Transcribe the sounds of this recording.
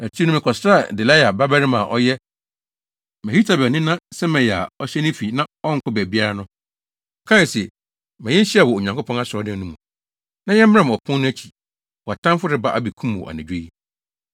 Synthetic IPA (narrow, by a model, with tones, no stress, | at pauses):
na˨tʰi˦nʊ̃˨mɪ̃˨kʰɔ˨sɾa˦˨dɪ˨la˦ja˨ba˦bæ˦ɾɪ˦mã˨ʔɔ˦jɛ˦ | mɛ̃˨i˦tʰa˨bɛ˨nɪ̃˦nã˦sɛ˦mɛ̃˨a̰˨ɔ˦ɕɛ˦nɪ̃˦fi˨nã˦ɔ˦ŋ̩˨kʰʊ˦bæ˨bi˦a˦ɾa˦nʊ̃˦˨ | kʰã˦˨sɛ˨ | mɛ̃˨jɛ̃˦ɕi˦a˨wɔ˨o˨ɲã˨ŋkʰʊ˦pʰɔ̃˦a˦sɪ˨ɔ˦dɛ̃˨nũ˦mũ˨ | nã˦jɛ̃˦m̩˦ã˦m˨ɔ˨pʰʊ̃˦nː˦ʊ̃˦æ˦t͡ɕʰi˨ | wɔ˨a˨tʰã˦mfʊ˦ɾɪ˨ba˦ʔa˦bi˨kʰũ˦m˨wɔ̰˨ʔa̰˨nɪ̃˨˦e˦i˦